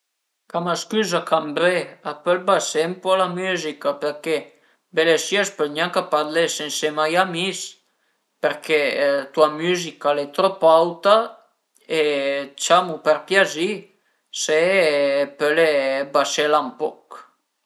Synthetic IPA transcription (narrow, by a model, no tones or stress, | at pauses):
kamaskyzakʰambɾeapølbasempɔlamyzikapeɾke | belesiaspølɲaŋkapad̪lesensemajamis | peɾket̪uamyzikalet̪ɾopawt̪a | et͡ʃamupeɾpjazi | se | pølebaselampɔk